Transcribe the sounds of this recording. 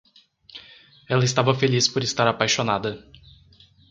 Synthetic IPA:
ɛlɐɪst̪avɐfelispoɾɪst̪aɾapajʃonad̪ɐ

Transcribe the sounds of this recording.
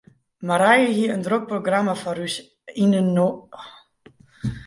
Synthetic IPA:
maɾajəɦiəəndrok̚proɡramafɔɾys | inəno

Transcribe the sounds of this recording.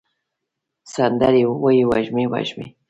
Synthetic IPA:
sand̪aɾɪwajwa̰ʒmɪwa̰ʒmɪ̰

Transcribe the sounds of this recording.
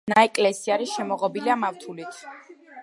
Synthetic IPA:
naɛkʼlɛsiaɾiʃɛmɔʁɔbiliamaft̪ʰulit̪ʰ

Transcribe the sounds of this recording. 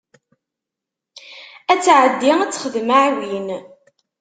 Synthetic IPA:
æt͡sːʕəd̪ːiŋæt͡sːχəðmaʕwin

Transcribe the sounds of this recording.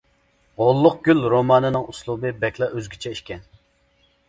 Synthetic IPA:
ʁolˠːʊq̚ɡʲylɾomɑːnɨnɨŋuslˠubɨbɛkʲlˠɛʔøzɡʲit͡ʃʰɛiʃkʲɛn

